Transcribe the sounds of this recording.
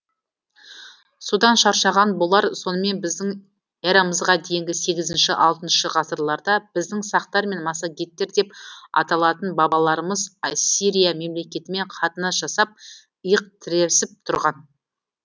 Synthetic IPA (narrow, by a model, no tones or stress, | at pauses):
sud̪ɑnʃɑɾʃɑʁɑnbo̞lˠɑɾso̞nəme̞nbɪzd̪ɪŋ | eɾɑməzʁɑd̪e̞jɪŋɡʲɪse̞ɡʲɪzɪnʃɪʔɑlˠt̪ənʃəʁɑsəɾlˠɑɾd̪ɑb̥ɪzd̪ɪŋsɑqt̪ɑɾme̞nmɑsɑɡʲe̞t̪ːe̞ɾd̪e̞pɑ̰t̪ɑlˠɑt̪ənbɑbɑlˠɑɾəməzsiɾijame̞mle̞kʲe̞t̪ɪme̞ɴqʰɑt̪ənɑsʒ̥ɑsɑp̚ | əjəq̚t̪ʰɪɾesɪp̚t̪ʰʊɾʁɑn